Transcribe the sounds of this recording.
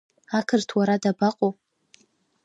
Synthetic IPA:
akʰɨrtʰwaɾadabaqʼowʼ

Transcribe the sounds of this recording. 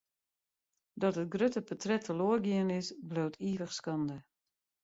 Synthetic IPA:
dɔtət̚ɡrøtəpɔtrɛtʰəloərɡiənɪsblowtʰiːvəxskɑndə

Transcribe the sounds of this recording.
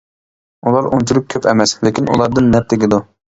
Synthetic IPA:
ulˠɑɾont͡ʃʰulʊk̚ʲkʲʰøpʰɛ̰mɛsleɪkʲʰinṵlˠɑɾd̪ɨnːɛp̚t̪ʰɪɡʲid̪u

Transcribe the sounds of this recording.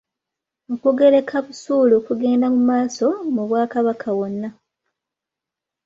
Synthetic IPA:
okuɡe̞ɾe̞kʰaβusuːloːkuɡe̞ːndamumaːso̞muβwaːkaβakʰawonːa

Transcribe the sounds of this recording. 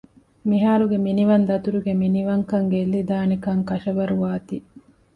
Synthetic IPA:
miɦaːɾuɡeminiʋɐnd̪ɐt̪uɾuɡeminiʋɐŋkɐŋɡelːid̪aːnikɐŋkɐʃɐʋɐɾuʋaːt̪i

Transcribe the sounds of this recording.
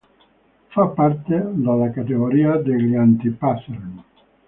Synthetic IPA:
fapːart̪ed̪alːakat̪eɣoɾiːad̪eʎant̪ipaseɾn

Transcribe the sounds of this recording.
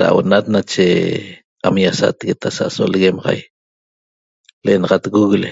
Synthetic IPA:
ɾa̰ʔwonat̪̚nat͡ʃe | amjasa̰t̪ɣet̪asaʔsolɣemʁɑ̰j | leʔenɑʁɑt̪ɣuɣle

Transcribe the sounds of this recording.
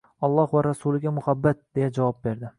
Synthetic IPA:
ɒlˠːɒhvaɾasulˠɪɡʲamʊhabːat̪̚d̪e̞jad͡ʒavɒp̚be̞ɾd̪ɪ

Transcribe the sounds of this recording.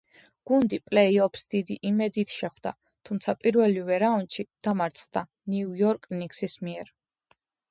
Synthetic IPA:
ɡ̥und̪ipʼlɛiɔpʰsd̪̥id̪iʔimɛd̪it̪ʰʃɛχwd̪a̰ | t̪ʰumt̪sʰapʼiɾvɛlivɛɾaund̪ʃid̪̥amaɾt̪sʰʼχd̪̥a | niujɔɾkʼniksismiɛɾ

